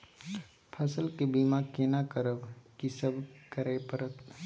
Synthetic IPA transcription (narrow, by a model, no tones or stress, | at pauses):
pʰəsəlkebiːmakeːnakəɾəbkisəbkəɾepəɾət̪